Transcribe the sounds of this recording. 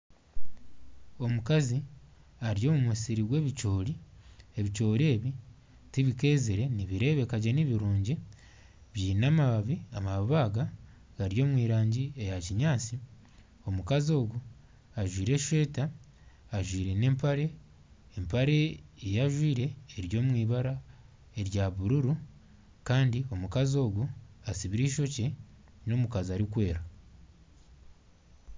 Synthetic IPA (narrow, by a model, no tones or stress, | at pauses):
o̞mukazi | aɾijo̞ːmumwisiɾiβwe̞ːβico̞ːɾieβit͡ʃo̞ːɾeːβi | tiβike̞ːziɾe̞niβiɾe̞ːβe̞kaɟeniβiɾuːɲɟi | βjiːnaːmaβaβiamaββaːɡa | ɡ̥aɾijo̞ːmwiːɾaːɲɟiejaciɲaːt͡si | o̞mukazio̞ːɡu | aʒwiːɾe̞ʃwe̞ːtaː | ʒwiːɾe̞ne̞ːmpaɾe̞ː | mpaɾe̞ejaʒwiːɾe̞ːɾjo̞ːmwiːβaɾa | e̞ɾjaβuɾuɾu | kaːndio̞mukazo̞ːɡuasiβiɾiʃo̞ce̞ | no̞mukaziaɾikwe̞ːɾa